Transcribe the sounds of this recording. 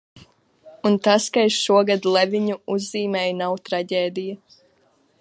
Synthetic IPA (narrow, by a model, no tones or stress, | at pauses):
unt̪askaiʃʃuɔɡad̪lˠɛvʲiɲuuzːiːmɛːjnawt̪ɾaɟʲeːd̪ija